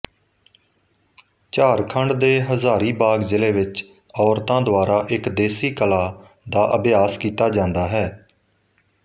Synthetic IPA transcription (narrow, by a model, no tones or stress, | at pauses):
t͡ʃaːɾkʰəɳɖd̪eːɦəzaːɾiːbaːɡzɪleːʋɪt͡ʃ | ɔːɾt̪ãːd̪ʊaːɾaːʔɪkd̪eːsiːkəlaː | d̪aːʔəbjaːskiːt̪aːd͡ʒãːnd̪aːɦɛː